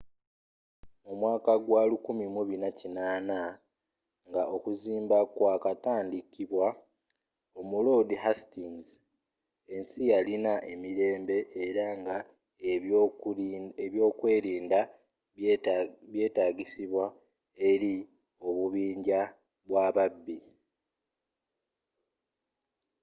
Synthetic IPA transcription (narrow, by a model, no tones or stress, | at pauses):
mumwaːkaɡwaːlukumimuβinacinaːna | ŋɡao̞kuziːmbakwakataːndikiβwa | o̞mulo̞ːdiɦastiŋz | e̞nsijalinaʔe̞miɾe̞ːmbe̞ʔːɾaŋɡa | eβjo̞ːkwe̞ːɾiːnda | βje̞ːtaːɟisiβwa | e̞ɾi | o̞βuβiːɲɟa | βwaːβabːi